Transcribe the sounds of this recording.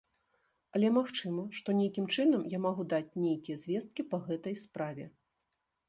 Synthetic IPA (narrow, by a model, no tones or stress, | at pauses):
ɐlʲɛmaxt͡ʂɨmɐʂt̪ɔnʲejkʲimt͡ʂɨnɐmjamaɣud̪at͡sʲnʲejkʲijɐzʲvʲɛst̪̚kʲipɐɣɛt̪ɐjspɾavʲɛ̰